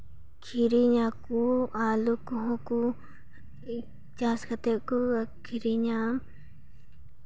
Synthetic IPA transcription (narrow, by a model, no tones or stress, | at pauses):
kʰiɾiɲãkualukuɦõku | t͡ʃaskat̪eʔkuakʰiɾiɲãm